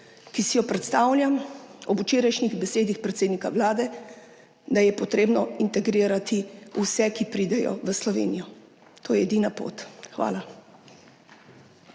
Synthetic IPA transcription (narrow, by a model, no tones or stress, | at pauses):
kisijɔpɾɛt̪st̪aːwljamɔbut͡ʃeːɾajʃniɣbɛseːd̪ixpɾɛt̪seːd̪nikaʋlaːd̪ɛ | d̪ajɛpɔt̪ɾeːbnɔint̪ɛɡɾiːɾat̪iusɛkipɾiːd̪ɛjɔ̰ʋəslɔʋḛːnijɔ | t̪oːjɛɛd̪iːnapo̰t̪xʋa̰ːla